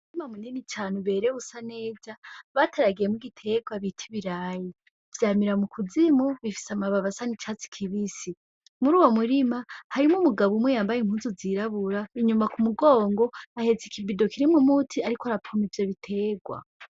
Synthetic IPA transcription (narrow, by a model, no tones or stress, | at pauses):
uɾimamuninitʰaːnuβe̞ɾeusane̞ːzaβatʰaɾaɡije̞muɡitʰe̞ːɡwaβitʰiβiɾaːji | vjaːmiɾamukʰuzimoβifi̥samaβaβasanit͡ʃat͡si̥kʰiβisi | muɾuːwomuɾimahaɾimumuɡaβumwejaːmbajim̥huːnzuziɾaβuɾaiɲumakumuɡo̞ːŋɡo̞ahe̞zikʰibido̞kʰiɾimumutʰiaɾikoaɾapʰomivjeβitʰe̞ːɡwa̰